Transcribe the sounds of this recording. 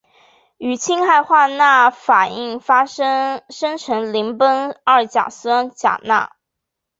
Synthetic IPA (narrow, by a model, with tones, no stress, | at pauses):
y˨˩t͡ɕʰi˥ŋxa˥˧ɪxwa˥˧na˥˩fa˨˩ni˥˩ŋfa˥ | ʂə˥ŋʈ͡ʂʰɤ˧˥ŋli˧˥npə˥nɐ˞˥˩t͡ɕja̰˨˩sa˥nt͡ɕja̰˨˩na̰˥˩